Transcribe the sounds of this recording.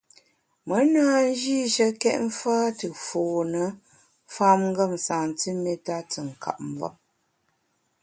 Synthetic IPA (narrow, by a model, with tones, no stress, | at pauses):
mə˨˦naː˦n̩˦d͡ʒi˦ʃə˦kɛ˦ʔɱ̩˦faː˦tɨ˨foː˨nə˨˦ | fa˦mŋ̩˦ɡə˦˨m˨saː˨n˨ti˦mɛ˦ta˦tə˨ŋ̩˨ka̰˨ʔ̚m˨vɔ̰˦m̚